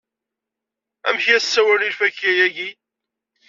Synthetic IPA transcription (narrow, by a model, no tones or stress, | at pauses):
æ̰mçjæsːæwæɾilfæçjæjæʝi